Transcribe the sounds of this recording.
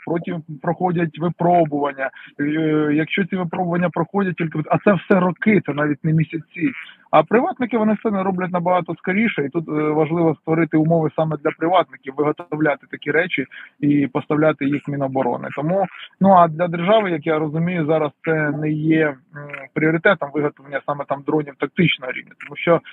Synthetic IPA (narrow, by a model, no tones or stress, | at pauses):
pɾɔtʲimpɾɔxɔdʲɐtʲʋɪpɾɔbʊʋɐnʲːɐ | jɐkʃt͡ʃɔt͡sʲiʋɪpɾɔbʊʋɐnʲːɐpɾɔxɔdʲɐt̚ʲtʲilʲkɪɐt̪sɛwsɛɾɔkɪt̪ɛnɑʋʲit̚ʲnɛmʲisʲɐt͡sʲi | ɐpɾɪʋɑt̪nɪkɪʋɔnɪsɛnɛɾɔblʲɐt̬̚ʲnɐbɐɦɑt̪ɔskɐɾʲiʃɛit̪ut̪ʋɐʒlˠɪʋɔst̪ʋɔɾɪt̪ɪʊmɔʋɪsɑmɛd̪lʲɐpɾɪʋɑt̪nɪkʲiwʋɪɦɔt̪ɔwlʲat̪ɪ̥t̪ɐkʲiɾɛt͡ʃʲiipɔst̪ɐwlʲat̪ɪjixmʲinɔbɔɾɔ̰nɪ̰t̪ɔmunuɐd̪lʲɐd̪erʒɑʋɪjɐkjaɾɔzʊmʲijʊzɑɾɐst̪sɛnɛjɛpɾʲiɔɾʲɪt̪ɛt̪ɔmʋɪɦɔt̪ɔʋɐnʲːɐsɑmɛt̪ɑmd̪ɾɔnʲiwt̪ɐk̚t̪ɪt͡ʃnɔɦɔɾʲḭʋnʲɐt̪ɔmuʃt͡ʃɔ